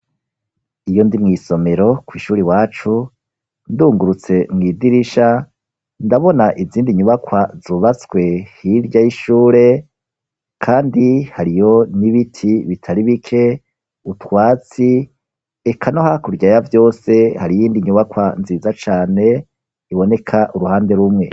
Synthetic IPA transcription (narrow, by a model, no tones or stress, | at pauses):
ijo̞ndimŋiːso̞me̞ɾo̞kwiːʃuːɾiwaːt͡ʃu | nduːŋɡuɾut͡se̞mŋiːdiɾiʃa | ndaβo̞naʔiziːndiɲuβakwazuːβat͡swe̞hiɾɟajiʃuːɾe̞ | kʰaːndihaɾijo̞niβitʰiβitʰaɾiβikʰe̞ | utwaːt͡si | ekʰanohakuɾɟajavjo̞ːse̞haɾijiːndiɲuβakwanziːzat͡ʃaːne̞ | iβo̞ne̞kʰaʔuɾuhaːnde̞ɾumŋe̞